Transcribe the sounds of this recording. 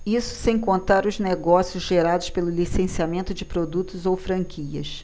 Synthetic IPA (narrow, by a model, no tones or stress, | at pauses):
isʊ̥sẽj̃kõnt̪aɾʊzneɡɔsiʊzʒeɾad̪ʊspelʊlisẽsiamẽnt̪ʊd͡ʒɪpɾod̪ut̪ʊzowfɾɐ̃ŋkʰiɐ̰s